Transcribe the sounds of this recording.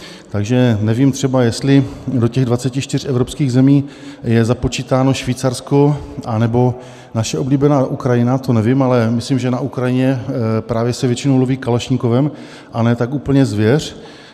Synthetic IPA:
t̪aɡʒɛnɛviːmt̪r̥ɛbajɛst̪lɪdo̞cɛɣdvat͡sɛcɪʃt̪ɪr̝ʔɛvɾopskiːɣzɛmiː | jɛzapo̞t͡ʃit̪aːno̞ʃviːt͡saɾsko̞ʔanɛbo̞ | naʃɛʔo̞bliːbɛnaːʔukɾajɪnat̪o̞nɛvɪmalɛmɪslimʒɛnaʔukɾajɪɲɛpɾaːvjɛsɛvjɛt͡ʃɪnowloviːkaloʃɲiko̞vɛm | ʔanɛːt̪akuːpl̩ɲɛzvjɛr̝̥

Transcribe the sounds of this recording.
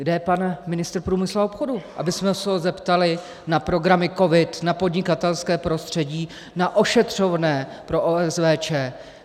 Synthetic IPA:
ɡdɛpanmɪnɪst̪rpɾuːmɪsluaopxo̞duʔa̰bɪsmɛsɛozɛpt̪alɪ | napɾo̞ɡɾamɪko̞vɪt̪napo̞dɲɪkat̪ɛlskɛːpɾo̞st̪r̝̥ɛɟiː | naʔo̞ʃɛt̪r̝̥o̞vnɛː | pɾo̞ʔoɛzvɛːt͡ʃɛː

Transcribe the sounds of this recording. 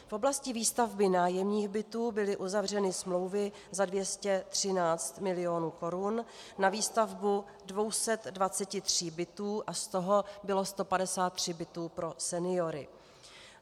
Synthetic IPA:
fʔo̞blascɪviːst̪avbɪnaːjɛmɲiːxbɪt̪uːbɪlɪʔuzavr̝ɛnɪsmlo̞wvɪ | zadvjɛscɛt̪r̝̥ɪnaːt͡st̪mɪlɪjo̞nuːko̞ɾun | naviːst̪avbu | dvo̞wsɛt̪dvat͡sɛcɪt̪r̥iːbɪt̪uːʔast̪o̞ɦo̞bɪlo̞st̪o̞padɛsaːt̪ːr̝̥ɪbɪt̪uːpɾo̞sɛnɪjo̞ɾɪ̰

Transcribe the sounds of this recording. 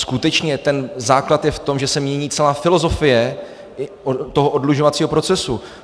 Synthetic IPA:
skut̪ɛt͡ʃɲɛt̪ɛnzaːklat̪jɛft̪o̞mʒɛsɛmɲɛɲiːt͡sɛlaːfɪlo̞zo̞fɪjɛ | t̪oɦoʔodluʒovat͡siːɦo̞pɾo̞t͡sɛsu

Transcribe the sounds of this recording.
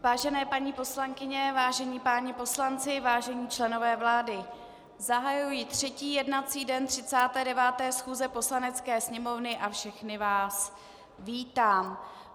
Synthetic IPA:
vaːʒɛnɛːpaɲiːpo̞slaŋkɪɲɛvaːʒɛɲiːpaːɲɛpo̞slant͡sɪvaːʒɛɲiːt͡ʃlɛno̞vɛːvlaːdɪ | zaɦajujɪt̪r̝̥ɛciːjɛdnat͡siːdɛnt̪r̥ɪt͡saːt̪ɛːdɛvaːt̪ɛːsxuːzɛpo̞slanɛt͡skɛːsɲɛmo̞vnɪʔafʃɛxnɪvaːs | viːt̪aːm

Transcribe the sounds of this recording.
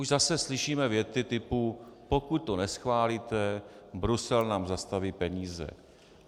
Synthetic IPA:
uʒzasɛslɪʃiːmɛvjɛt͡sɪt̪ɪpupo̞kut̪̚ːonɛsxvaːlit̪ɛbɾusɛlnaːmzast̪aviːpɛɲiːzɛ̰

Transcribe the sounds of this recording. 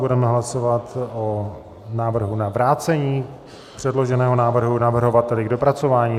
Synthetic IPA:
budɛmɛɦlaso̞vat̪o | naːvr̩ɦunavɾaːt͡sɛɲiː | pr̝̥ɛdlo̞ʒɛnɛːɦonaːvr̩ɦunavr̩ɦo̞vat̪ɛlɪɡdo̞pɾat͡so̞vaːɲiː

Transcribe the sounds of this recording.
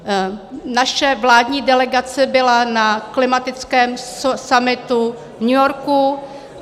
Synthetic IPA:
naʃɛvlaːdɲiːdɛlɛɡat͡sɛbɪlanaklɪmat̪ɪt͡skɛːmssamɪt̪u | vɲujoɾku

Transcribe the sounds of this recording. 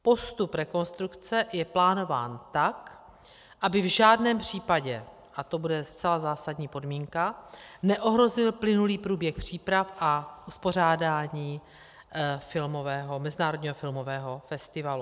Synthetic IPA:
po̞st̪upɾɛko̞nst̪ɾukt͡sɛjɛplaːno̞va̰ːnt̪ak | ʔabɪvʒaːdnɛːmpr̝̥iːpaɟɛ | ʔat̪o̞budɛst͡sɛlazaːsadɲiːpo̞dmiːŋkanɛʔo̞ɦɾo̞zɪlplɪnuliːpɾuːbjɛxpr̝̥iːpɾafʔaʔuspo̞r̝aːdaːɲiː | fɪlmo̞vɛːɦomɛzɪnaːɾodɲiːɦofɪlmovɛːɦo̞fɛst̪ɪvalu

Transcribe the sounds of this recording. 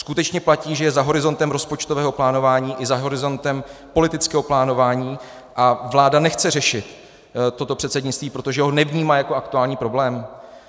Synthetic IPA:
skut̪ɛt͡ʃɲɛplaciːʒɛjɛzaɦo̞ɾɪzo̞nt̪ɛmɾo̞spo̞t͡ʃt̪o̞vɛːɦo̞plaːno̞vaːɲiːʔɪzaɦo̞ɾɪzo̞nt̪ɛmpo̞lɪt̪ɪt͡skɛːɦo̞plaːno̞vaːɲiː | ʔavlaːdanɛxt͡sɛrɛʃɪt̪ː | ot̪o̞pr̝̥ɛt̪sɛdɲɪt͡st̪viːpɾot̪o̞ʒɛɦo̞nɛvɲiːmaːjako̞akt̪uaːlɲiːpɾo̞blɛːm

